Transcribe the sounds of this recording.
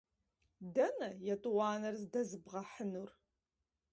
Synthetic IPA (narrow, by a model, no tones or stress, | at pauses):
dɐnɐjɐtʼwɑːnɐrzdɐzɨbʁɐħənur